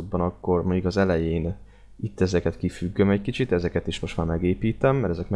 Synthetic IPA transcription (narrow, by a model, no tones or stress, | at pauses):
od̪̚bɒnɒkːo̞rmoɲukɒzɛlɛjeːn | it̪ːɛzɛkɛt̪kifyɡːømɛckit͡ʃit̪ɛzɛkɛt̪iʃmo̞ʃt̪maːmɛɡeːpiːt̪ɛmːɛɾɛzɛkmɛ